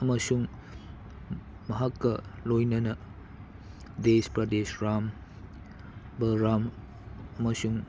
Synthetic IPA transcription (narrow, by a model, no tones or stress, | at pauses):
ɐmɐsuŋ | mɐɦakːɐlojnɐnɐ | despɾɐdesɾam | bɐɾam | ɐmɐsuŋ